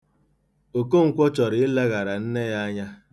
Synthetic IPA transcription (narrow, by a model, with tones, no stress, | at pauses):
o˨ko˦ŋ̩˨kʷɔ˦t͡ʃɔ˨ɾɪ˨ɪ˦le˦ɣa˨ɾa˨n̩˦ne˦ja˦a˦ɲa˦